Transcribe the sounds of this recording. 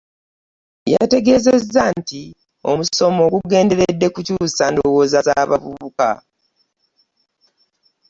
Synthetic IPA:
ja̰te̞ɡe̞ːzezːanti | o̞̰muso̞mo̞ːɡuɡe̞ːnde̞ɾedːe̞kucuːsando̞wo̞ːzazaːβa̰vṵβuka̰

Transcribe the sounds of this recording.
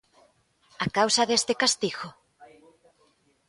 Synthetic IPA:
akawsɐðest̪ɪkast̪iɣo

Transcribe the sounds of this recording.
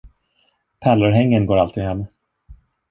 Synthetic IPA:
pʰæləɾɦɛŋːənɡoːɾalt̪ʰiːd̪ɦɛmː

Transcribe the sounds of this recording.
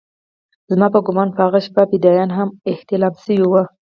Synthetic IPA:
zmɑpəɡʊmɑnpəaɣaʃbabɪd̪ɑjɑnɦamɪht̪ɪlɑmsəwiwa

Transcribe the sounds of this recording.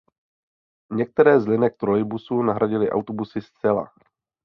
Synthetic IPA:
ɲɛk̚t̪ɛɾɛːzlɪnɛk̚t̪ɾojbusuːnaɦɾaɟɪlɪʔa̰wt̪obusɪst͡sɛla̰

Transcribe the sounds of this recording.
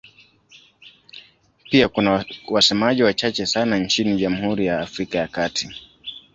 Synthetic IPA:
piakunawasɛmaʄiwat͡ʃat͡ʃɛsanant͡ʃiniʄamuhuɾijaːfɾikajakati

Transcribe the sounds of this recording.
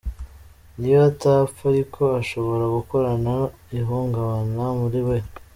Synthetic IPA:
nijoatafaɾikʰo̞aʃo̞βo̞ɾaɡuko̞ɾana | iɦuːŋɡaβanamuɾiwe̞

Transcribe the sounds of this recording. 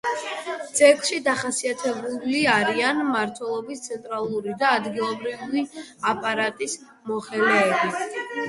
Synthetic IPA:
d̪z̥ɛkʃid̪aχasiat̪ʰɛbuliaɾianmaɾt̪ʰwɛlˠɔbist̪sʰɛnt̪ʼɾalˠuɾid̪aːd̪ɡilˠɔbɾiviapʼaɾat̪ʼis | mɔχɛlɛːbi

